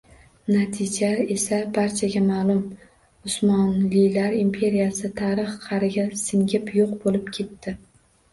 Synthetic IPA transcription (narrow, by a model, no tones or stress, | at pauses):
nat̪ʰɪd͡ʒae̞sabaɾt͡ʃʰaɡʲamaːlˠʊm | ʊsmɒnlɪlaɾimpʰe̞ɾijasɪt̪ʰaɾɨχqʰɑɾɪɡʲasɪŋɡʲɪpjoqbolɪpkʲʰe̞t̪ːɪ